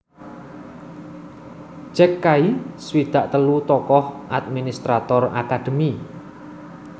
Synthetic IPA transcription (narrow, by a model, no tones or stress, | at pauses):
t͡ʃɛkːaiswid̪̥a̤ʔt̪əlut̪ɔkɔhʔat̪̚minist̪ɾat̪ɔra̰kad̪̥ə̤mi